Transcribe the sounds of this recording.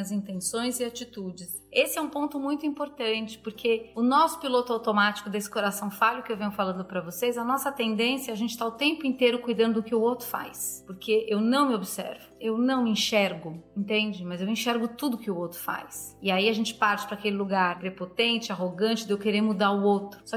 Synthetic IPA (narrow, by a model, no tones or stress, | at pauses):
ɐzĩnt̪ẽsõj̃zɪat͡ʃit̪ud͡ʒɪs | esɪɛũpõnt̪ʊmũj̃t̪ʊĩpoɾt̪ɐ̃nt͡ʃɪ̥poɾkʰeʊnɔsʊ̥pilot̪ʊawt̪omat͡ʃɪ̥kʊd̪esɪ̥koɾasɐ̃w̃faʎʊkɪewvẽɲʊfalɐ̃nd̪ʊpɾɐvosejzɐnɔsɐt̪ẽnd̪ẽsjɐaʒẽnt͡ʃɪ̥t̪aʊt̪ẽmpʊẽnt̪ejɾʊkujd̪ɐ̃nd̪ʊʊkɪʊowt̪ɾʊfa̰jspoɾkʰeʔewnɐ̃w̃mɪobɪsɛ̰ɾvʊewnɐ̃w̃mɪĩʃɛɾɡʊẽnt̪ẽnd͡ʒɪmɐzewĩʃɛɾɡʊt̪ud̪ʊʊkɪʊowt̪ɾʊfa̰jsɪaiaʒẽnt͡ʃɪ̥paɾt͡ʃɪ̥pɾɐakelɪluɡaɾɡɾepot̪ẽnt͡ʃɪaɦoɡɐ̃nt͡ʃɪd̪ewkeɾeɾmud̪aɾʊowt̪ɾʊsɔɪ